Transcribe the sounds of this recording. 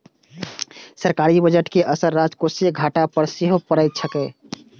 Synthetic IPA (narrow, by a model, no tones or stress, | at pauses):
səɾkaɾibəd͡ʒəʈkeʔəsəɾːad͡ʒkoseɡʱaʈapəɾseɦopəɾəjt̪̚sʰəkɛ